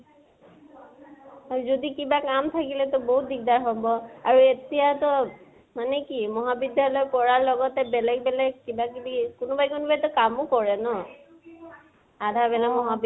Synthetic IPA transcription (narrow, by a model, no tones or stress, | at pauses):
ad͡ʒod̪ikibakamt̪ʰakilet̪ɔboɦut̪̚d̪ik̚d̪aɾɦɔbɔauet̪iɦat̪ɔ | manekimɔɦabid̪jalɔekɔɹaɾlɔɡɔt̪ebelekbelekibakibikonobajkonobajt̪ɔkamokɔɹenɔ | ad̪ʱabelamɔɦab